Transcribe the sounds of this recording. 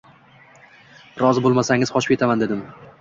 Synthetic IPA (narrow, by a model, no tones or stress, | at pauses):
ɾɒzɪbolˠmasaŋʲɪzχɒt͡ʃɪ̥pʰʲeamand̪ed̪ɪm